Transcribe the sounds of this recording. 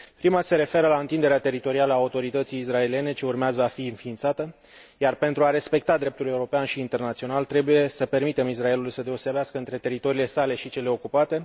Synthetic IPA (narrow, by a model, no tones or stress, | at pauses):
pɾimase̞ɾe̞fe̞ɾəlaɨnt̪ind̪eeat̪e̞ɾit̪o̞ɾialəaut̪o̞ɾit̪ət̪sijːsrae̞lie̞ne̞t͡ʃe̞urmeazəafiɨnfiːnt̪sat̪ə | jarpe̞nt̪ɾuaɾe̞spe̞k̚t̪ad̪ɾe̞p̚t̪ule̞uɾo̞peanʃiːnt̪e̞rnat̪sio̞nalt̪ɾe̞buje̞səpe̞rmit̪e̞mis̬rae̞lulujsəd̪e̞o̞se̞beaskəɨnt̪ɾe̞t̪e̞ɾit̪o̞ɾile̞sale̞ʃit͡ʃe̞le̞o̞kupat̪e̞